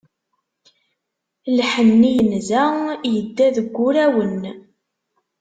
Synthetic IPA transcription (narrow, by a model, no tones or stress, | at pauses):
lħənːijənzæjəd̪ːæðəɡʷːʊɾæwən